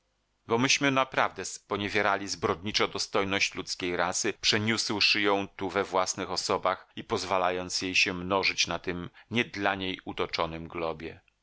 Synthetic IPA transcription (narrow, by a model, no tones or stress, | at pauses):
bɔmɘɕmɘnapɾavd̪ɛspɔɲevʲjeɾalʲizbɾɔd̪̚ɲit͡ʂɔd̪ɔst̪ɔjnɔɕt͡ɕlut̪skʲejɾasɘpʂɛɲuswʂɘjɔ̃w̃t̪uvɛvwasnɘxɔsɔbaxipɔzvalajɔnt̪sjejɕɛmnɔʐɘt͡ɕnat̪ɘmɲɛd̪laɲejut̪ɔt͡ʂɔnɘmɡlɔbʲjɛ̰